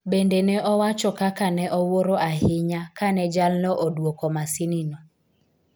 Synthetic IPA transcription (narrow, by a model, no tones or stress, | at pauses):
bendenɛʔɔwat͡ʃɔkakanɛʔɔwoɾoʔaɦɪɲakanɛd͡ʒalnɔʔodwokɔmasininɔ